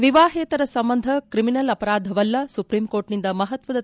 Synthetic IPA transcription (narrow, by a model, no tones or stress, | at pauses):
ʋiʋaːɦeːt̪ɐɾɐsɐmbɐnd̪ʱɐkɾiminɐlɐpɐɾaːd̪ʱɐʋɐlːɐsupɾimkoːɾʈnind̪ɐmɐɦɐt̪ʋɐd̪ɐ